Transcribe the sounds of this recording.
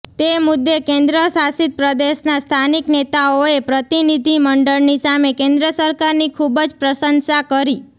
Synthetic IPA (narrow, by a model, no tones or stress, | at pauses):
t̪emʊd̪ːekẽnd̪ɾəsasɪt̪̚pɾəd̪eʃnast̪ʰaniknet̪aoepɾət̪inid̪ʱiməɳɖəɭnisamekẽnd̪ɾəsəɾkaɾnikʰubd͡ʒpɾəsənsakəɾi